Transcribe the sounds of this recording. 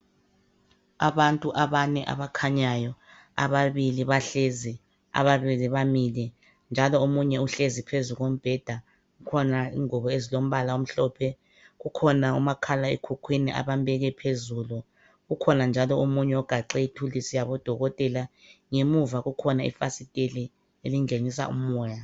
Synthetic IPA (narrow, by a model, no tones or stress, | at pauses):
aβantʼuʔaβanɛʔa̰βakʰaɲajɔ | a̰βaβiliβaɬezi | a̰βaβiliβamilɛ | nd͡ʒʱalɔomuɲɛuɬezipʰezuɣom̩b̥ʱɛd̥ʱa | ɣukʰɔnaiŋɔβɔezilom̩ɓalaom̩ɬɔpʰɛ | ɣukʰɔnaṵmakʰalaekʰukʰwiniʔa̰βambɛɣɛpʰezulu | ɣukʰɔnand͡ʒʱalɔomuɲɛɔɡ̥ʱaǃɛitʰulisijaβɔd̥ʱɔɣɔtʼɛla | ŋemuvaɣukʰɔnaḭfasitʼeli | eliŋenis̬a̰ʔṵmɔːja